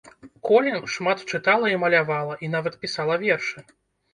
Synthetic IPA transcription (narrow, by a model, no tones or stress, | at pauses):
kɔlʲɛnʂmat̪t͡ʂɨt̪alˠɐimɐlʲavalˠɐʔinavɐt̪pʲisalˠɐvʲɛrʂɨ